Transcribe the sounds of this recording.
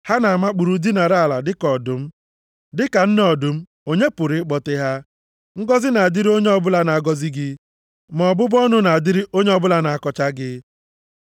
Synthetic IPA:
ha˦na˨ma˦k͡pu˨ɾu˨di˦na˨ɾa˦a˨la˨dɪ˦kɔ˨dʊ˨m̩˦ | dɪ˦ka˨n̩˦nɔ˨dʊ˨m̩˦ | o˦ɲe˦pʊ˨ɾɪ˦k͡pɔ˨tɪ˦ɦa˦ | ŋ̩˦ɡɔ˦zɪ˦na˨a˨dɪ˦ɾi˦o˦ɲe˦ɔ˦bʊ˦la˦na˨a˨ɡɔ˦zɪ˦ɡɪ˦ | mɔ˨bʊ˦bɔ˦nʊ˦na˨a˨dɪ˦ɾɪ˦ʔo˦ɲe˦ɔ˦bʊ˦la˦na˨a˨kɔ˨t͡ʃa˦ɡɪ˦

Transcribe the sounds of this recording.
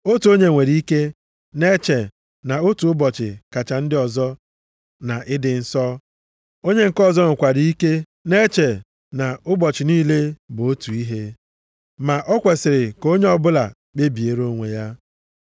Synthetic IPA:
o˦tu˨o˦ɲe˨ŋʷe˨ɾi˦ke˦ | ne˦t͡ʃe˨ | na˨o˦tu˨ʊ˦bɔ˨t͡ʃɪ̰˨ka˨t͡ʃa˨n̩˦dɪ˦ɔ˨zɔ˦ | na˨ʔɪ˦dɪ˨n̩˨˦sɔ˦ | o˦ɲe˦ŋ̩˨kɔ˦˨zɔ˦ŋʊ˨kʷa˨di˦i˦ke˦ | ne˦t͡ʃe˨ | na˨ʊ˦bɔ˨t͡ʃɪ˨niː˦le˦bʊ˨o˦tu˨i˦ɦe˦ | ma˨ʔɔ˦kʷe˨sɪ˨ɾɪ˨ko˦ɲe˦ɔ˦bʊ˦la̰˨ | k͡pe˦bi˨e˨ɾo˦ŋʷe˨ja˦

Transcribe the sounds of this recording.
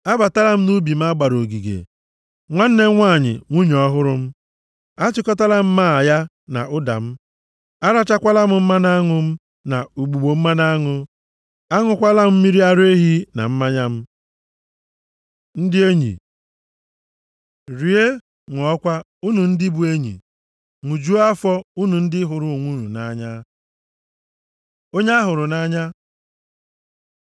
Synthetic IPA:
a˦ba˨ta˦la˦m̩˦nu˦bi˨m̩˦a˦ɡ͡ba˨ɾo˨ɡi˨ɡḛ˨ | ŋʷa˦n̩˦ne˦ŋʷa˦˨ɲɪ̰˨ŋʷu˦ɲ˨ɔ˦ɦʊ˦ɾʊ˦m̩˦ | a˦t͡ʃɪ˦kɔ˦ta˦la˦m̩˦ma˦a˨ja˦ | na̰˨ʊ˦da̰˨m̩˦ | a˦ɾa˦t͡ʃa˦kʷa˦la˦mʊ˨m̩˦ma˦na˦ŋʊ˦m̩˦ | na˨u˨ɡ͡bu˨ɡ͡bo˨m̩˦ma˦na˦ŋʊ˦ | a˦ŋʊ˦kʷa˦la˦m̩˦mi˦ɾi˦a˦ɾe˦ɦi˦na̰˨m̩˦ma˦ɲa˦m̩˦ | n̩˦dɪ˦e˦ɲḭ˨ | ɾi˨e˦ | ŋʷɔ˨˦kʷa˦ | u˦nu˨n̩˦dɪ˦bu˨e˦ɲḭ˨ | ŋʷu˨d͡ʒu˦a˦fɔ˦u˦nu˨n̩˦dɪ˦ɦʊ˨ɾʊ˨ŋʷu˦ɾṵ˨na̰˨˦ɲa˦ | o˦ɲa˦a˦ɦʊ˨ɾʊ˨na˦ɲa˦

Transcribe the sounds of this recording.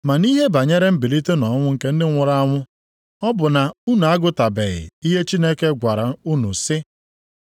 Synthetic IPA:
ma˨ni˦ɦe˦ba˨ɲe˦ɾe˦m̩˦bi˨li˦te˦nɔ˨˦ŋʷʊ˦ŋ̩˨ke˦n̩˦dɪ˦ŋʷʊ˨ɾa˦a˦ŋʷʊ˦ | ɔ˦bʊ˨na˨u˦nu˨a˦ɡʊ˦ta˨be˨ɣɪ̰˨i˦ɦe˦t͡ʃi˦ne˦ke˦ɡʷa˨ɾa˨˦u˦nṵ˨sɪ˦

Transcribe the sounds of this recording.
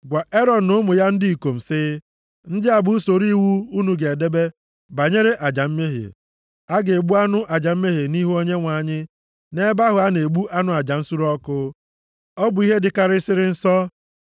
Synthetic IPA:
ɡʷa˨ʔe˦ɾɔ˨nʊ˦mʊ˨ja˦n̩˦dɪ˦i˨ko˨m̩˨sɪ˦ | n̩˦dɪ˦a˨bʊ˨˦u˦so˨ɾi˦wu˦u˦nu˨ɡe˨e˨de˦be˦ | ba˨ɲe˦ɾe˦ʔa˨d͡ʒa˨m̩˦me˦ɦḛ˨ | a˦ɡe˨ɡ͡bu˦a˦nʊ˦ʔa˨d͡ʒa˨m̩˦me˦ɦe˨ni˦ɦu˦o˦ɲe˦ŋʷa˨ɲɪ˦ | ne˦ba˦ɦʊ˨a˦ne˨ɡ͡bu˦ʔa˦nʊ˦a˨d͡ʒa˨n̩˦su˦ɾɔ˦kʊ˦ | ɔ˦bʊ˨i˦ɦe˦dɪ˨˦ka˦ɾɪ˦sɪ˦ɾɪ˦n̩˦sɔ˦

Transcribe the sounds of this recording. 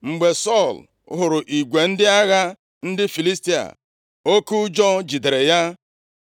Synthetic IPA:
ŋ͡m̩˨ɡ͡be˨sɔ˦˨l | ɦʊ˨ɾʊ˨ʔi˨ɡʷe˨n̩˦dɪ˦a˦ɣa˦ | n̩˦dɪ˦fi˨li˦sti˦a̰˨ | o˦ku˦d͡ʒɔ˦d͡ʒi˨de˨ɾe˨ja˦

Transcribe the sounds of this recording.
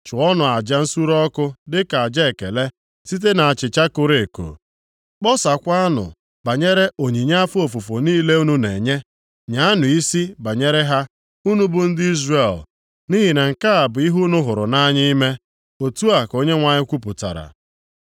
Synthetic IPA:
t͡ʃʊ˨ɔ˦nʊ˨a˨d͡ʒa˦n̩˦su˦ɾɔ˦kʊ˦dɪ˦ka˨a˨d͡ʒa˦e˨kḛ˨le˦ | si˦t̬e˦na˨a˨t͡ʃɪ˨t͡ʃa˦kʊ˦ɾe˨ko̰˨ | k͡pɔ˦sa˨kʷa˦nʊ̰˨ | ba˨ɲe˦ɾe˦ʔo˨ɲi˨ɲa˦a˦fu˦o˨fu˨fo˨niː˦le˦u˦nu˦ne˨ɲe˦ | ɲa˨˦a˦nʊ˨i˦si˦ba˨ɲe˦ɾe˦ɦa˦ | u˦nu˦bʊ˦n̩˦dɪ˦i˦zre˨l | ni˦ɦi˨ne˨ŋ̩˨ka˦a˨bʊ˨˦i˦ɦu˦nʊ˦ɦʊ˨ɾʊ̰˨na˦ɲɪ˦i˦me˦ | o˨tu˦a˨ko˦ɲe˦ŋʷa˨ɲɪ˦kʷu˦p̬ʊ˨ta̰˨ɾa̰˨

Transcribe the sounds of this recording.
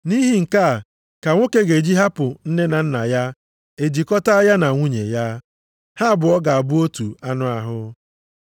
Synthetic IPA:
ni˦ɦi˦ŋ̩˨ka˦˨ | ka˨ŋʷo˦ke˦ɡe˨d͡ʒi˦ɦa˦pʊ˨n̩˦ne˦na˨n̩˦na˨ja˦ | e˨d͡ʒi˨kɔ˦ta˦a˦ja˦na˨ŋʷu˦ɲḛ˨ja˦ | ha˦˨bʊ˨ɔ˦ɡa˨a˨bʊ˦o˦tu˨a˦nʊ˦a˨ɦʊ˦

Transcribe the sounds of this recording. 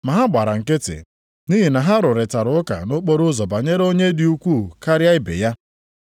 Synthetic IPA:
ma˨ɦa˦ɡ͡ba˨ɾa˨ŋ̩˨kɪ˦tɪ̰˨ | ni˦ɦi˨na˨ɦa˦ɾʊ˨ɾɪ˨ta˨ɾʊ˨˦ka̰˨no˦k͡po˦ɾʊ˦zɔ˨ba˨ɲe˦ɾo˦ɲe˦di˨u˦kʷu˦˨ka˦ɾja˦ɪ˦bḛ˨ja˦

